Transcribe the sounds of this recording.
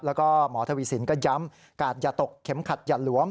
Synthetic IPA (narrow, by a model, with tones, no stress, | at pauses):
p̚lɛː˦˥wkɔː˥˩mɔː˩˦t̪ʰa˧wiː˧˨˩si˩˦nkɔː˥˩ja˦˥m | kaː˨˩t̪̚jaː˨˩t̪o˨˩kʰːe˩˦mkʰa˨˩t̪̚jaː˨˩t̪̚lu˩˦əm